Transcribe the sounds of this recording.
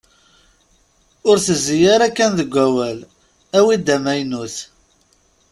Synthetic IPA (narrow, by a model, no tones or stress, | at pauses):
ʊɾθəzːijaɾækːænðəɡʷæwæl | æwid̪æmæjnuθ